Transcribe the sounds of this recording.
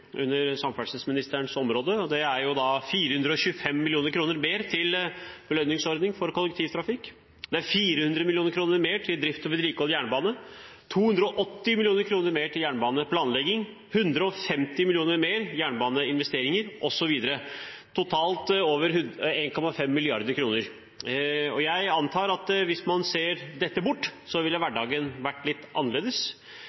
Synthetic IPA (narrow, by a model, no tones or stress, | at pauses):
ʉ̰nːəɾsɑmfæsəsmɪnɪst̪əɳsɔmɾoːd̪əɔd̪ɛæɾjʊd̪ɑfiːɾəhʉnd̪ɾəɔɕʉəfɛmːɪlɪuːnəɾkʰɾuːnəɾmeːɾt̪ʰɪlb̥əlœnːɪŋsɔɾd̪nɪŋfɔɾkʰɔlːɛkt̪ʰiːʋt̪ʰɾɑfɪkː | d̪ɛæɾfiːɾəhʉnd̪ɾəmɪlɪuːnəɾkʰɾuːnəɾmeːʈʰɪld̪ɾɪft̪ɔbəd̪ɾiːkɔljæːɳbɑːnət̪ʰuːhʉnd̪ɾəɔʔɔt̪ːɪmɪlɪuːnəɾkʰɾuːnəɾmeːʈʰɪljæːɳbɑːnəpʰlɑːnlɛɡɪŋ | hʉnd̪ɾəɔfɛmt̪ɪmɪlɪjuːnəɾmeːɾjæːɳbɑːnəɪnʋɛst̪eːɾɪŋəɾʔɔsɔʋiːd̪əɾət̪ʰʊt̪ʰɑːlt̪oːʋəɾhʉeːnkʰɔmɑfɛmːɪlɪɑɾd̪əɾkʰɾuːnəɾ | ɔjæɪɑnt̪ʰɑːɾɑt̪ʋɪsmɑnseːɾd̪ɛt̪ːəbʊʈːsɔʋɪlːəʋæɖɑːɡənʋæʈːlɪt̪ːʔɑnːəɾɭeːd̪əs